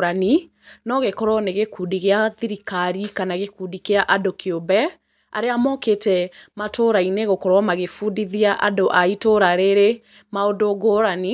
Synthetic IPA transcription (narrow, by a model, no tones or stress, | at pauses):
ɾani | nɔɣekɔɾwɔneɣekudiɣeaðiɾikaɾikanaɣekudikeaʔadokeobɛ | a̰ɾeamɔketɛmatʰoɾaineɣokɔɾwɔmaɣefuːdiðiaʔadoʔaitoɾaɾeɾe | maodoɡoɾani